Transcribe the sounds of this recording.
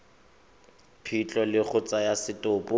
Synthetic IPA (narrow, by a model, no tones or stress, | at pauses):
pʰit͡ɬʼɔlɪk͡xʰʊt͡sʼajasɪtʼʊpʼʊ